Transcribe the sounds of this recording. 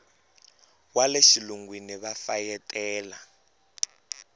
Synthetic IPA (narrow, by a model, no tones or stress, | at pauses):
waleʃiluŋɡwiniβafajɛtʰʼɛːla